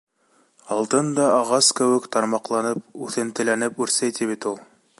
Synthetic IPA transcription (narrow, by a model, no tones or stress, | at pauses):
ɑlˠt̪ɤnd̪ɑɑʁɑskɘ̆wɘ̆kt̪ɑɾmɑqlˠɑnɤp̚ʉθɘ̆nt̪ɘ̆lænɘpʉɾsæjt̪iβit̪ulˠ